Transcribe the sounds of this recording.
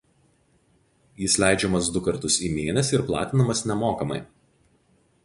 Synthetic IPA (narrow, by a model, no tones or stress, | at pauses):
jɪslʲæˑɪd͡ʒʲɛmɐsd̪ʊkɐɾt̪ʊsiːmʲeːnʲɛsʲɪɾplˠɑ̰ːt̪ʲɪnɐmɐsnʲɛmoːkɐmɐ̰ɪ